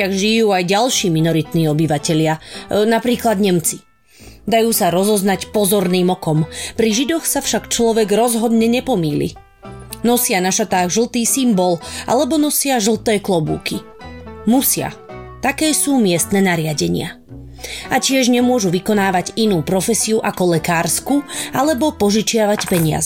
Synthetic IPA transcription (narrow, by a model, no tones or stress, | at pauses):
aɣʒijuːajɟalʃiːminɔɾit̪niːɔbiʋacɛʎɪanapɾiːklad̪ɲɛmt͡si | d̪ajuːsaɾɔzɔznacpɔzɔɾniːmɔkɔmpɾiʒid̪ɔxsafʃakt͡ʃlɔʋɛɡɾɔzɦɔd̪ɲɛɲɛpɔmiːlḭ | nɔsɪanaʃat̪aːɣʒl̩ˠt̪iːsimbɔlʔa̰lɛbɔnɔsɪaʒl̩ˠt̪ɛːklɔbṵːki | musɪa̰t̪akɛːsuːmɪɛst̪nɛnaɾɪaɟɛɲɪa̰ | ʔacɪɛʒɲɛmʊɔʒuʋikɔnaːʋaɟinuːpɾɔfɛsiuʔakɔlɛkaːɾskualɛbɔpɔʒit͡ʃɪaʋacpɛɲɪa̰zɛ